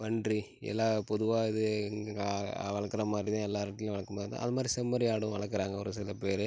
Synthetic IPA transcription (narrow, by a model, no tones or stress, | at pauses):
ʋɐɳɖri | ɛ̰lːaːpɔðɯʋaːɪðɯŋɡɡɐʋɐɭɐkːɪɾɐmaːd̪ɾit̪ãːɛlːaːɾɐʈːɪlʊ̃ʋɐɭɐkːɐmaːɾt̪ã̰ːɐðɐmaːd̪ɾisɛmːɐɾɪaːɽɯ̃ʋɐɭɐkːɯɾaːŋɡɐɔɾɯsɪlɐpeːɾɯ